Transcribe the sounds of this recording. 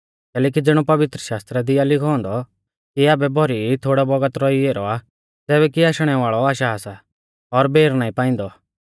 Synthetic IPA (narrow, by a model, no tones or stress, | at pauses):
kɛːlɛːk̬id͡zɪɽ̃ɔpɐʋɪt̪ɾəʃaːst̪ɾɛd̪ɪjalɪkʰɔ̃ːnd̪ɔ | kiaːbɛbʱɔɾit̪ʰoːɽabɔɡət̪ɾɔieːɾɔa | tɛːβɛkiaːʃɽ̃ɛʋaːɭɔaːʃaːsa | ɔɾbʱeːɾnaːĩpãːɪ̃n̆d̪ɔ